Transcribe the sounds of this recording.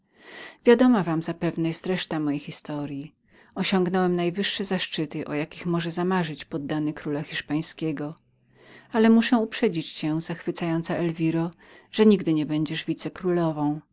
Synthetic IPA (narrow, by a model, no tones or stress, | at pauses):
vʲjad̪ɔmavamzapɛvnɛjɛst̪ɾɛʂt̪amɔjejxʲist̪ɔɾʲji | ɔɕɔŋɡnɔwɛmnajvɘʂːɛzaʂt͡ʂɘt̪ɘʔɔjakʲixmɔʐɛzamaʐɘt͡ɕpɔd̪ːanɘkɾulaxʲiʂpaj̃skʲɛɡɔ | alɛmuʂɛ̃upʂɛd͡ʑit͡ɕt͡ɕɛzaxfɘt̪sajɔnt̪saʔɛlvʲiɾɔ | ʐ̥ɛɲiɡd̪ɘɲɛbɛɲd͡ʑɛʐvʲit̪sɛkɾulɔvɔ̃w̃